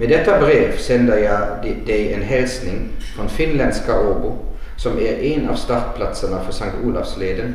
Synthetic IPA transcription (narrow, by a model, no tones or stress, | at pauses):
meːd̪ɛt̪ːəbɾeːʋsɛnd̪əjæɪd̪ɛɪeːnɦɛlsnɪŋfɔnfɪnlɛnskɑʔoːbʊ̰ | sɔmæɾenɑ̰ʋst̪ɑɾt̪pʰlɑt̪sənəfɔsɑŋkt̪uːlɑfsleːd̪ən